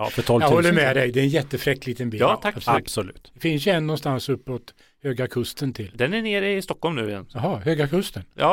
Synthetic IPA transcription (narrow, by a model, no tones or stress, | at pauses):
ɑ̰ːfœt̪ʰɔljɑɡ̪hɔlːəɾmɛd̪ɛjd̪ɛɾɛnjɛt̪ːəfɾɛkːlɪt̪ənbiːɑːabsɔlʉ̰ːt̪d̪ɛfɪns̬jɵɛnːɔnst̪ansɵpːot̪ | høːɡakʰɵst̪ənt̪ʰɪld̪ɛnæɳeːɾɪst̪ɔkʰːɔlmnʉ̰ːɪjɛ̰njɑɦɑːhøːɡakʰɵst̪ənjɑ̰ː